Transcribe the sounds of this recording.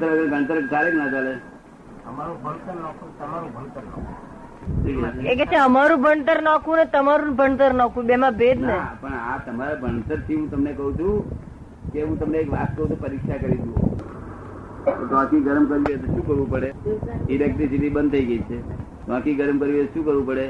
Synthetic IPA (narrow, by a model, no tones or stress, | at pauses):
t̪əɾəɡəɾɡʱəɳ̃t̪əɾkaɾeknad͡ʒale | əmaɾũbʱəɳt̪əɾnakʰũt̪əmaɾũbʱəɳt̪əɾna̰kʰũ | tʰikeekɛt͡ʃʰeəmaɾũbʱəɳt̪əɾnakʰũnet̪əmaɾũbʱəɳt̪əɾnakʰũbemãbed̪nepəɳat̪əmaɾabʱəɳt̪əɾt̪ʰiɦũt̪əmnekəɦũt͡ʃʰũ | keɦũt̪əmneːkʋat̪kəɦũt̪ʰupəɾikʃakəɾid͡ʒ̪ũ | ot̪oãkiɡəɾmkəɾiet̪oʃũkəɾʋũpəɽeilɛk̚ʈɾisiʈ̪ibənd̪̚t̪ʰəiɡəit͡ʃʰe | t̪oãkiɡəɾmkəɾʋiet̪ʃũkəɾʋũpəɽe